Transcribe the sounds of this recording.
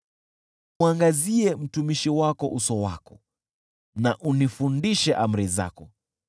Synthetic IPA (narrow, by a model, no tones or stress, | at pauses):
uaŋɡaziɛm̩tumiʃiwakɔʔusɔwa̰kɔ | naʔunifundiʃɛʔam̩ɾiza̰kɔ